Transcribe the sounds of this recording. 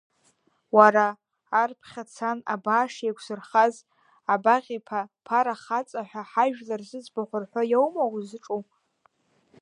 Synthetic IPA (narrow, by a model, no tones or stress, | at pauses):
waɾaː | rpʰχʲat͡sʰana̰baːʂekʷʰsɨrχaz | abaʁʲipʰapʰaɾaχat͡sʼaħʷᶣaħaʒᶣlarzɨd͡zbaχʷʊrħʷajowmawzɨʈ͡ʂʼu